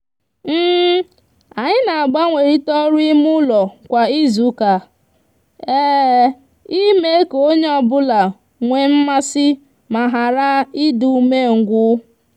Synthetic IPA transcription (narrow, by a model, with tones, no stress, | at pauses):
m̩ː˦ | a˨ɲɪ˦na˨a˨ɡ͡ba˦ŋʷe˨ɾi˦tɔ˦ɾi˦mʊ˦lɔ˨kʷa˨i˦zu˨ka˨ | eː˦ | i˦me˦ko˦ɲe˦ɔ˦bʊ˦la˨ | ŋʷe˨m̩˦ma˦sɪ˦ | ma˨ɦa˨ɾa˦i˦du˨me˦ŋ̩˨ɡʷʊ˦